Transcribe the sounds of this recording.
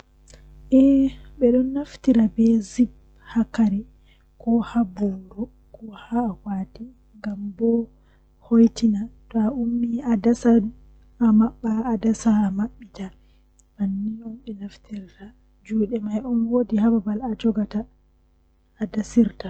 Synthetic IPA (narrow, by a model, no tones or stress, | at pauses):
ʔɛɓɛɗɔnːaftiɾabɛzib̚ | hakaɾɛ | kɔhabuɾɔ | kʰɔhawadi | ŋɡambɔ | hojtinatɔaumːiadasa | amaɓːaːdasamaɓːita | manːiɔnɓɛnaftiɾta | d͡ʒuːɗɛmajɔnwodiɦababalad͡ʒɔɡata | dasiɾta